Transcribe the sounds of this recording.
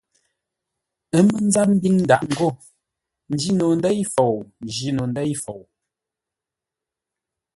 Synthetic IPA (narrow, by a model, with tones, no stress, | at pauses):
ə˦mə˦n̩˦za˦p̚m̩˦bi˦ŋn̩˦da˨ʔŋ̩˦˨ɡo˦˨ | n̩˦d͡ʒi˦no˨n˦dɛ˦jfo˨wn˨d͡ʒi˦no˨n̩˦də˦jfo˨w